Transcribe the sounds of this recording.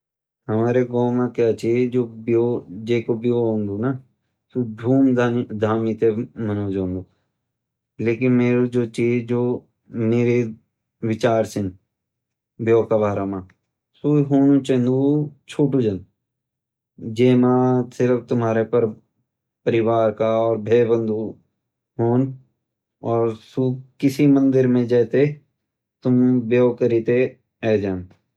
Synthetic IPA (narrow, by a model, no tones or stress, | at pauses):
ɦəmaːɾeːɡoːmãːkjaːt͡ʃeːd͡ʒoːbjoːd͡ʒeːkoːbɪjoːɦõːnd̪oːna | suːɖʱuːmd̪ʱaːmiːt̪eːmənoːd͡ʒõːnd̪oː | leːkɪnmeːɾoːd͡ʒoːt͡ʃiːd͡ʒd͡ʒoː | meːɾe | ʋɪt͡ʃaːɾsɪn | bjoːkaːʋaːɾaːmãː | suːɦoːnũt͡ʃə̃nd̪ut͡ʃʰuːʈud͡ʒən | d͡ʒeːmãsɪɾəfʰt̪ʊmɦaːɾepəɾ | pəɾɪwaːɾkaɔːɾbʱeːbə̃nd̪ʱu | ɦoːn | ɔːɾsukɪsimə̃nd̪ɪɾmẽd͡ʒɛːt̪e | t̪ʊmbjoːkəɾiːt̪e | ɛːd͡ʒaːn